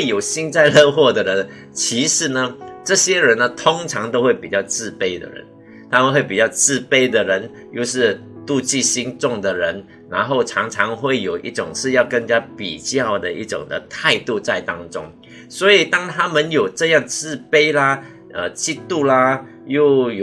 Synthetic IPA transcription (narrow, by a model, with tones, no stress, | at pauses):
we˥˩ɪjo˨˩ʊɕi˥nt͡sa˥˧ɪlə˥˧xwɔ˥˩d̪ə˩ɻə˧˦n | t͡ɕʰi˧˥ʂɻ̩˧˩˦nə˧ʈ͡ʂɤ˥˧ɕjɛ˥ɻə˧˥nːə˧t̪ʰʊ˥ŋʈ͡ʂʰɑ˧˥ŋt̪o˥ʊxwe˥˩ɪpi˨˩t͡ɕjɑ˥˧ʊt͡sɹ̩˥˧pe˥ɪd̪ə̰˨˩ɻə̰˧˦n | t̪ʰa˥mə˨˧nxwe˥˩ɪpi˨˩t͡ɕjɑ˥˧ʊt͡sɹ̩˥˩pe˥ɪd̪ə˨ɻə˧˥n | jo˥˧ʊʂɻ̩˥˧ | t̪u˥˧t͡ɕi˥˧ɕi˥nʈ͡ʂʊ˥˩ŋd̪ə˩ɻə˧˥n | na˧˥nxo˥˩ʊʈ͡ʂʰɑ˧˥ŋʈ͡ʂʰɑ˧˥ŋxwe˥˩ɪjo˨˩ʊʔḭ˥˩ʈ͡ʂʊ̰˨˩ŋʂɻ̩˥˧jɑ˥˧ʊkə˥˧ŋt͡ɕja˥pḭ˨˩t͡ɕjɑ˥˩ʊd̪ə˩i˥˩ʈ͡ʂʊ̰˨˩ŋd̪ə̰˦t̪ʰa˥˧ɪt̪u˥˧t͡sa˥˩ɪt̪ɑ˥ŋʈ͡ʂʊ̰˥ŋ | swɔ˧˥i˨˩t̪ɑ˥ŋt̪ʰa˥mə˨njo˨˩ʊʈ͡ʂɤ˥˧jɑ˥˧ŋt͡sɹ̩˥˧pe˥ɪlɐ˧ | ə̰˧t͡ɕi˥˧t̪u˥˩lɐ˨ | jo˥˩ʊjo˨˩